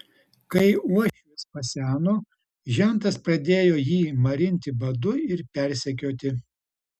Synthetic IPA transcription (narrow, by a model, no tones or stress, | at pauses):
kɐɪuɔʃʲɪspɐsʲæːnoː | ʒʲɛnˑt̪ɐspɾɐd̪ʲeːjoːjiːmɐɾʲɪnʲt̪ʲɪbɐd̪ʊɪɾpʲɛɾʲsʲɛk̬ʲoːt̪ʲɪ